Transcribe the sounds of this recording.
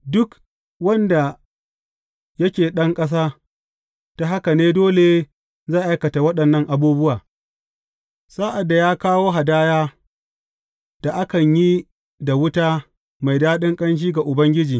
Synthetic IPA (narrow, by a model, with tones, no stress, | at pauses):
dʊ˦k | wɐ˦nda˨ | jɐ˦kʲeː˨ɗɐ˦ŋkʼɐ˦s̬aː˦ | ta˨ɦa˦ka˨neː˦doː˦le˨ | zaː˦˨ʔa˦jkɐ˨ta˨wɐ˦ɗɐ˨nːɐ˦ŋʔa˨buː˦bʊ˦waː˨ | saː˦ʔa˨dːa˨jaː˦kaː˦woː˦ɦa˨daː˦jaː˦ | d̥a˨ʔa˦kɐ˨ɲji˦ | da˨wʊ˦taː˦ | ma˨jdaː˦ɗɪ˦ŋkʼɐ˦nʃ̬iː˦ɡa˨ʔʊ˨bɐ˦ŋɡʲɪ˦d͡ʒiː˨